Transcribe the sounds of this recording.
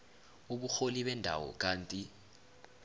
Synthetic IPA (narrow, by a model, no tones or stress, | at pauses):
uɓuxoliɓɛndʱa̰wɔ̰k̬ʼaːntʼi